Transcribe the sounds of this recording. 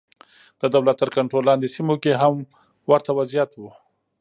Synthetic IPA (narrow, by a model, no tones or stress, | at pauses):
d̪̥əd̪awlat̪ːəɾkaɳʈɾolːɑnd̪esimokeɦam | waɾt̪awazijat̪wu